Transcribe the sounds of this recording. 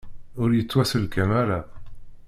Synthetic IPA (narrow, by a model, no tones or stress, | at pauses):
ʊɾjət͡sːwæsəlkæmæla